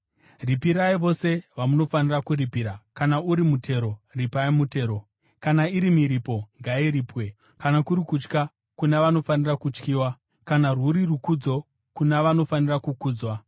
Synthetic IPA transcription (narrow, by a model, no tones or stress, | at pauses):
ripiɾaiʋo̞se̞ʋamuno̞fanirakuripiɾakanauɾimutʰe̞ɾo̞ripaimute̞ːɾo̞ | kanaiɾimiɾipo̞ŋɡaiɾiːpwe̞ | kanakuɾikut͡ʃka | kunaʋano̞fanirakut͡ʃkiːwa | kanaruɾirukud͡zo̞ | kunaʋano̞fanirakukuːd͡zwa